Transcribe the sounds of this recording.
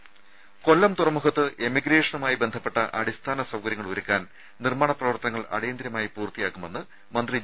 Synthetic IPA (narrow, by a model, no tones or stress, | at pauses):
ko̞lːɐmt̪urɐmukʰɐt̪ːɨʔemiɡɾe̞ːʂɐnumaːjibe̞nd̪ʱɐpːe̞ʈːɐʔɐ̰ɽist̪ʰaːnɐsɐwkɐɾjɐŋːɐɭuɾukʲːaːn | nirmaːɳɐprɐʋɐrt̪ɐnɐŋːɐɭɐ̰ɽejɐnd̪iɾjɐmaːjipuːrt̪ːijaːkːume̞nːɨ | mɐnd̪ri